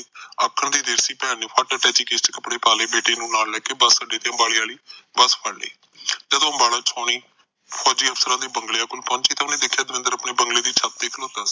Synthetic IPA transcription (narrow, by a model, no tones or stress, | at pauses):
əkʰːəɳd̪iːd̪eːɾsiːpɛːniːpʰaːʈaːʈɛːt͡ʃiːkesʈkəpɽeːpaːleːbeːʈeːnũːnaːllɛːkeːbəsːaːɖeːt̪eːə̃mbaːɭeaːliːbəspʰəɽlḛː | d͡ʒəd̪õːəmbaːlaːt͡ʃʰɔːɳiː | pʰɔːd͡ʒiːəpʰsəɾãːd̪eːbəŋɡleãːkʊlpɔ̃ːɲt͡ʃiːt̪ãʊnẽːd̪eːkʰːjaːd̪ɪmɪ̃nd̪əɾapneːbəŋɡleːd̪iːt͡ʃʰət̪̚d̪eːkʰloːt̪aːsː